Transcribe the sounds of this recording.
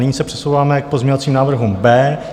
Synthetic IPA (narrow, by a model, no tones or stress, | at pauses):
nɪɲiːsɛpr̥ɛ̥sowvaːmɛk̚pozmɲeɲovat͡siːmnaːvr̩ɦumbɛː